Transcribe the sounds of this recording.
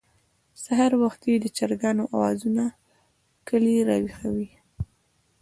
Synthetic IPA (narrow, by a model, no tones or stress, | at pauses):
saɦɑɾwaxt̪jed̪ət͡ʃaɾɡɑnoʔawɑzuna | kəliɾɑwixawi